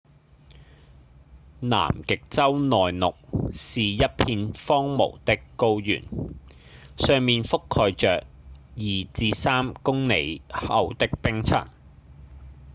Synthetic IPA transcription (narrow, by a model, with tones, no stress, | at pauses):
na̰ː˨˩mkɪ˨k̚t͡sɐ˥wnɔː˨jnʊ˨k̚siː˨jɐ˥t̚pʰiː˧nfɔː˥ŋmo̰˨˩wt̪ɪ˥kːo˧wjy̰ː˨˩n | sœː˨˧ŋmiː˨nfʊ˥kʰːɔː˧jt͡ʃœː˨k̚ | jiː˨t͡siː˨˧saː˥mkʊ˥ŋne˨˥jhɐ̰˨˧wt̪ɪ˥k̚pɪ˥ŋt͡sʰɐ̰˨˩ŋ